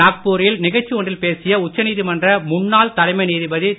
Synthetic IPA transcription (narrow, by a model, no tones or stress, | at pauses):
aːk̚puːɾɪjɪlnɪɣɐt͡ʃːioːɳɖɪlpeːsɪjɐʊt͡ʃːɐniːðɯmɐndrɐmʊnːaːlt̪ɐlɐɪmɐɪniːðɯbɐði